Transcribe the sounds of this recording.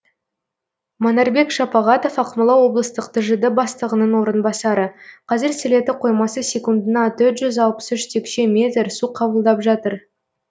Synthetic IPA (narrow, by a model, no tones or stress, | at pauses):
monɑɾbe̞kʒ̥ɑpɑʁɑt̪o̞fɑqməlˠɑwo̞blˠəst̪əqt̪ʰəʒəd̪əbɑst̪əʁənənwo̞ɾənbɑsɑɾəqʰɑzɪɾsɪle̞t̪ɪqʰo̞jmɑsəsʲe̞kund̪ənɑt̪ʰɵɾt̪ʒʏzɑlˠpə̥sʏʃt̪ʰekʃe̞mʲe̞t̪ɾsuqʰɑbəlˠd̪ɑpʒɑt̪əɾ